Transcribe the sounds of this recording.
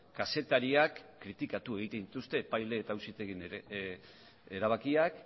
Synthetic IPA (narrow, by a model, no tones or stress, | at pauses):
kase̞t̪aɾiakːɾit̪ikat̪ue̞ɣ̞it̪ent̪ust̪e̞ːpajle̞ːt̪ausit̪e̞ɣin | eɾaβ̞akiak